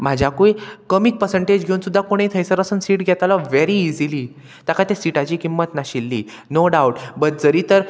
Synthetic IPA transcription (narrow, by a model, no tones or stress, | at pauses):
m̤ad͡ʑʱjakuikəmiːk̚pəɾsə̃ɳʈed͡ʑɡʱeunsud̪ʱːakoɽ̃ẽit̪ʰəjsəɾəsənsiːʈɡʱjɛt̪alɔʋeɾiːd͡ziliː | t̪akat̪esiʈat͡ɕiːkimːət̪naɕilːiː | noɖawʈbət̪̚d͡zəɾiːt̪əɾ